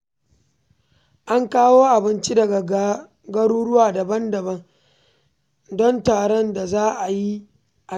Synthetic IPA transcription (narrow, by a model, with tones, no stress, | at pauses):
ʔa˦ŋkaː˦woː˦ʔa˨bɪ˦nt͡ʃi˦dɐ˨ɡa˨ | ɡɐ˦ɽuː˦ɽʊ˦waː˨dɐ˨bɐ˦ndɐ˨bɐ˦ŋ | dɔ˦ntaː˨ɽɔ˦nda˨zaː˦ʔa˨ji˦ | ʔa˨